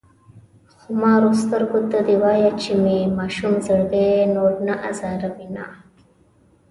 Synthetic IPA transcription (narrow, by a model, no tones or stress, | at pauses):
xʊmaːɾost̪ɐɾɡut̪ːad̪iwaːjat͡ʃʰimimaːʃumzɐɽd̪enoːɾnaʔazaːɾabina̰